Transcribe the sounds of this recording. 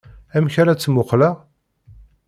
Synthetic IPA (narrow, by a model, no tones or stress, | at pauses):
æmçaɾat͡sːmʊqləʁ